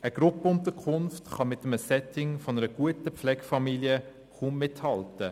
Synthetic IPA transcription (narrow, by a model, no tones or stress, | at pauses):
əɡ̥ɾʊpəʊntəkʰʊnftχɑmɪt̪əməsɛtɪŋfɔnəɾəɡ̥uətəpflɛɡ̥fɑmiljə | χuːmːɪthɑltə